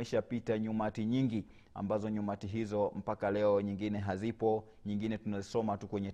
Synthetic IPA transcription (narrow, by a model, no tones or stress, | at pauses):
iʃapitaɲumatiɲiŋɡi | a̰mbazɔɲumatiɦizɔm̩pakalɛɔɲiŋɡinɛɦazipɔ | ɲiŋɡinɛtunazisɔmatukwɛɲɛ